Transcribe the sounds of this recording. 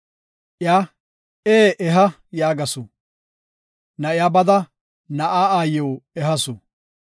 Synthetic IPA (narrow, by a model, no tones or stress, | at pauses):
ʔɪjaː | eːʔɛɦɐ | jaːɡɐsʊ | nɐɪjaːbɐd̪ɐ | nɐʔaːaːjowɛɦɐsʊ